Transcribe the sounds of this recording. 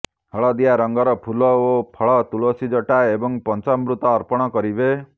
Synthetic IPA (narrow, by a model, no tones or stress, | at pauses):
hɔɭɔd̪ijaɾɔŋɡɔɾɔpʰulɔopʰɔɭɔt̪uɭosid͡ʒɔʈaebɔŋpɔnt͡ʃɔmɾut̪ɔːɾpɔɽ̃ɔkɔɾibe